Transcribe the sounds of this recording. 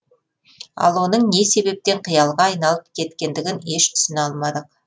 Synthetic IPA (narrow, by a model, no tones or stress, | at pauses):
ɑ̰lˠwo̞nəɴne̞se̞be̞p̚t̪e̞ɴqʰijɑlˠʁɑɑjnɑlˠəp̚kʲʰe̞t̪kʲe̞nd̪ɪɡʲɪne̞ʃt̪ʰʏ̥sɪnɑlˠmɑd̪əq